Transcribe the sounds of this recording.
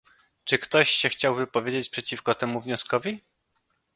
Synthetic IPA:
t͡ʂɘkt̪ɔɕɕɛxt͡ɕawvɘpɔvʲjed͡ʑet͡ɕpʂɛt͡ɕifkɔt̪ɛmuvɲɔskɔvʲi

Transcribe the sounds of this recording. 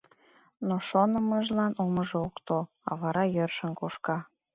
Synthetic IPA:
noʃonəməʒlɑnoməʒeokt̪ol | ɑ̰βɑɾɑjørʃənkoʃkɑ

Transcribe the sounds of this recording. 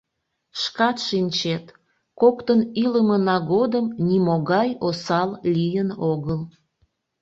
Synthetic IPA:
ʃkɑt̪ʃinʲt͡ɕet̪ | kokt̪əniləmənɑɣod̪əmnʲimoɣɑjosɑllijənoɣəl

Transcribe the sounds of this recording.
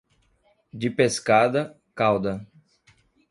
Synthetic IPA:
d͡ʒɪpeskad̪ɐ | kawd̪ɐ

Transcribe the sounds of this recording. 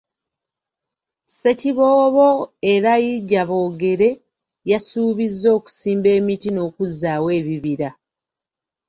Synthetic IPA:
se̞ciβo̞ːβo̞e̞ɾajiɟːaβo̞ːɡe̞ɾe̞ | jasuːβizːo̞ːku̥siːmbe̞ːmitino̞ːkuzaːwe̞ːβiβiɾa

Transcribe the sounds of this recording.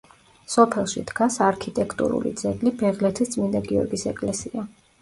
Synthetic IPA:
sɔpʰɛlˠʃḭd̪ɡasaɾkʰit̪ʼɛkʰt̪ʼṵɾṵlḭd̪zɛɡlibɛʁlɛt̪ʰist̪sʼmind̪aɡiɔ̰ɾɡisɛkʼlɛsia

